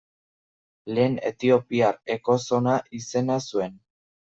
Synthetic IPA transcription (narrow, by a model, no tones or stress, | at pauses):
le̞ːne̞̰t̪io̞piaɾe̞ko̞so̞naʔise̞nasue̞n